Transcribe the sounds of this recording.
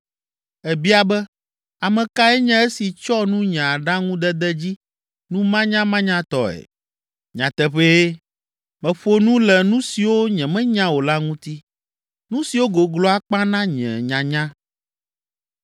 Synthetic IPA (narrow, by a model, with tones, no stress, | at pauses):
ɛ˨bi˦a˨bɛ˦ | a˨mɛ̃˨ka˦ɛ˦ɲɛ̃˦ɛ˦si˨t͡ʃɔ˦nũ˦ɲã˨a˨ɖa˦ŋũ˦d̪ɛ˦d̪ɛ˦d͡ʑi˦ | nũ˦mã˦ɲã˦mã˦ɲã˦t̪ɔ̰˨ɛ̰˨ | ɲã̰˨t̪ɛ˦ɸe˦ | mɛ̃˨ɸo˦nũ˦lɛ˨nũ˦si˨wo˦ɲɛ̃˨mɛ̃˦ɲã˦wo˨la˦ŋũ˦t̪i˦ | nũ˦si˨wo˦ɡo˨ɡlɔ˦a˦k͡pã˦nã˦ɲɛ̰̃˨ɲã˨ɲã˦